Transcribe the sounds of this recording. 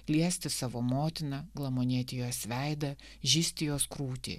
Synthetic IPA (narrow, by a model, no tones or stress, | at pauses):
lʲiɛsʲt̪ʲɪsɑːʋoːmoːt̪ʲɪnɐɡlˠɐmoːnʲiɛt̪ʲɪjoːsʋʲæɪd̪ɐ | ʒʲiːsʲt̪ʲɪjoːskɾuːt̪ʲḭː